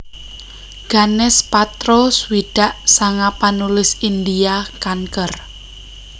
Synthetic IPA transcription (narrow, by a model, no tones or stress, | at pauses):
ɡ̥anɛspat̪ɾoswid̥a̤ʔsaŋapanulɪsind̪iakaŋkər